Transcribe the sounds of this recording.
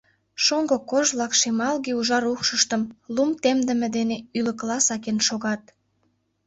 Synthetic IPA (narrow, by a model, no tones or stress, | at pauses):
ʃoŋɡokoʒβlɑkʃemɑlɣeuʒɑɾuxʃəʃt̪ə̆mlumt̪emd̪ə̆mĕd̪eneylə̆klɑsɑkenʃoɣɑt̪̚